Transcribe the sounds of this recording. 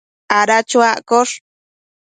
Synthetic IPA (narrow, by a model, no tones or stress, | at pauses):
ʔaɾat͡ʃuaʔkoʂ